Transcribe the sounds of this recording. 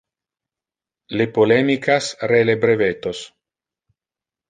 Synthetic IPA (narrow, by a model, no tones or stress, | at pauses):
lepolɛmikasrelebɾevet̪os